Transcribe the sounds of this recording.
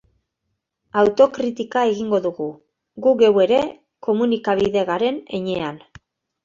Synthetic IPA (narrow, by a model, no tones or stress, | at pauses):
awt̪o̞kɾit̪ikae̞ɣiŋɡo̞ðuɣu | ɡuɣe̞we̞ɾe̞ | ko̞munikaβ̞iðe̞ɣaɾe̞ne̞ɲe̞an